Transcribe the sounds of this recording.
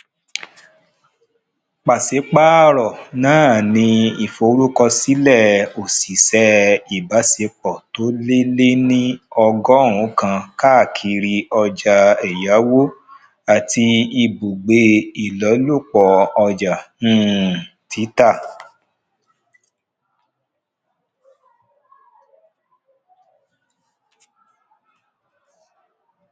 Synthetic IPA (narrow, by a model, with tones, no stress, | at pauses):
k͡pa˨se˨˦k͡pa˦ɾɔ˨nã˨˦˨nĩ˧i˨fo˧˦ɾu˦kɔ˧si˨˦lɛ˦˨o˨si˨sɛ˧i˨ba˨˦se˧˦k͡pɔ˦˨to˨˦le˦le˦nĩ˦ɔ˧ɡɔ˦ɾũ˨˦kã˧ka˦˨kʰi˧ɾi˧ɔ˧d͡ʒa˧ɛ˨ja˨˦wo˦ | a˨tʰi˧i˧bu˨ɡ͡be˧˦i˨lɔ˨˦lu˦˨k͡pɔ˧ɔ˧d͡ʒã˨˦˨ | tʰi˨˦ta˦˨